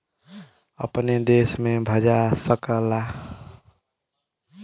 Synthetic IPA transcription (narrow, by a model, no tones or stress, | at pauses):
ə̰pned̪esmebʱəd͡ʒasəkəla